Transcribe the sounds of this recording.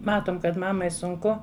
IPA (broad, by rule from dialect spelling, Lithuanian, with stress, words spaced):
ˈmɑːtoːm kɐt ˈmɑːmɐɪ sʊŋˈkʊ